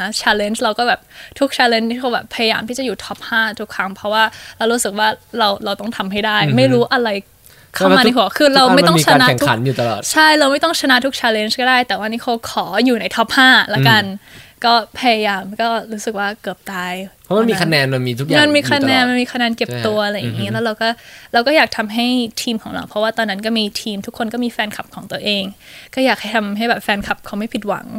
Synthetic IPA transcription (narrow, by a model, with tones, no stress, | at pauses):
a˦˥t͡ɕʰɛː˧le˧˩nsɾa˧wkɔː˥˩bɛː˨˩p̚t̪ʰu˦˥k̚t͡ɕʰɛː˧le˧niː˥˩kʰa˧wbɛː˨˩pʰa˧ja˧jaː˧mt̪i˥˩t͡ɕa˨˩juː˨˩t̪ʰɔ˦˥p̚haː˥˩t̪ʰu˦˥kʰːɾa˦˥ŋpʰɾɔ˦˥waː˥˩ɾa˧wɾuː˦˥sɯ˨˩k̚waː˥˩ɾa˧wɾa˧wt̪ɔ˥˩ŋt̪ʰa˧mɦa˥˩jdaː˥˩jma˥˩jɾuː˦˥ʔa˧ɾa˧j | kʰa˥˩˧ma˧i˦˥ɦu˨˩˦kʰɯː˧ɾa˧wma˥˩t̪ŋː˧t͡ɕʰa˧aː˧na˦˥ɛ˨˩u˦a̰˩˦njuː˨˩t̪a˧lɔ̰ː˨˩t̪t͡ɕʰa˥˩jɾa˧wma˥˩jt̪ɔ˥˩ŋt͡ɕʰa˧na˦˥t̪ʰu˦˥k̚t͡ɕʰɛː˧le˧˩nskɔː˥˩daː˥˩jt̪ɛː˨˩waː˧niː˦˥kʰa˧wkʰɔː˩˦juː˨˩na˧˥jt̪ʰɔː˦˥p̚haː˥˩la˦˥ka˧nkɔː˥˩pʰa˧ja˧jaː˧mkɔː˥˩ɾuː˦˥sɯ˨˩k̚waː˥˩kɤː˨˩p̚t̪aː˧jpʰɔ˦˥ma˧nmiː˧kʰa˧nɛː˧nma˧nmiː˧t̪ʰu˦k̚aaː˧nmiː˧kʰa˧nɛː˧nma˧nmiː˧kʰa˧nɛː˧nke˨˩p̚t̪u˧ɐʔa˧ɾa˧jːa˨˩ŋiː˦˥lɛː˦˥wɾa˧wkɔː˥˩ɾa˧wkɔ˥˩jaː˨˩k̚t̪ʰa˧mɦa˥˩jt̪ʰiː˧mkʰɔː˩˦ŋɾa̰˧wpʰɾɔ˦waː˥˩t̪ɔː˧nːa˦˥nk̬ɔː˥˩miː˧t̪ʰiː˧mt̪ʰu˥kʰːo˧nkɔː˥˩miː˧fɛː˧nkʰa˨˩p̚kʰɔː˩˦ŋt̪u˧ɐʔeː˧ŋkɔː˥˩jaː˨˩k̚ha˥˩jt̪ʰa˧mɦa˥˩jbɛː˨˩p̚fɛː˧nkʰa˨˩p̚kʰa˧wma˥˩jpʰi˨˩t̪̚wa̰˨˩˦ŋ